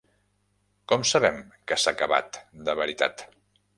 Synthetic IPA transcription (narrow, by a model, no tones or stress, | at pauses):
kɔmsəβɛmkəsakəβa̰t̪d̪əβəɾit̪a̰t̪